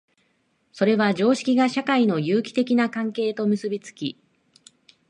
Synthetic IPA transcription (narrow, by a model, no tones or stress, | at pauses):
so̞ɾe̞βad͡ʑo̞ːɕi̥kʲiɡaɕakaino̞jɯːkʲi̥t̪e̞kʲinakãŋke̞ːt̪o̞mɯ̟sɨbʲit͡sɨ̥kʲi